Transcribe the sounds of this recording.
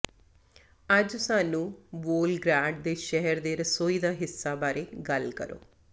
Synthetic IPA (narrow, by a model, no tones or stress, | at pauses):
əd͡ʒsaːnũːboːlɡɾaːɳɖd̪eːʃɛɦəɾd̪eːɾəsoːiːd̪aːɦɪsːaːbaːɾeːɡəlkə̰ɾo̰ː